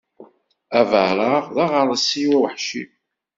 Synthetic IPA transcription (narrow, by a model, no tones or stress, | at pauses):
ævəʕɾəʁðɑʁəɾˤəsiwæwħʃḭ